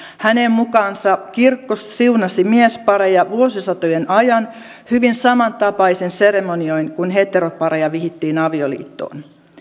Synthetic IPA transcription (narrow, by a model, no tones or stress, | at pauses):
hænemmukɑːnsɑkirkːossiunɑsimiespɑɾejɑʋuosisɑt̪ojenɑjɑn | hyʋinsɑmɑnt̪ɑpɑisense̞ɾe̞monio̞inkunɦe̞t̪ːeɾopɑɾejɑʋihit̪ːiːnɑʋiolḭːt̪ːo̰ːn